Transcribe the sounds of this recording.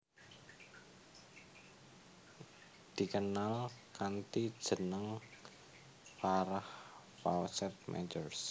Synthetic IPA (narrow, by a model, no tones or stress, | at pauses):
d̪̥i̤kənalkant̪id̥ʒ̥ə̤nəŋ | faɾah | fawsɛt̪̚mʔɛ̰d͡ʒərs